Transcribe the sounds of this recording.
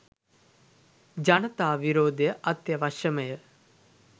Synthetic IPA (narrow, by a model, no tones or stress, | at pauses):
d͡ʒɐnɐt̪aːʋiɾoːd̪ejəʔɐt̪jəʋɐʃəməjə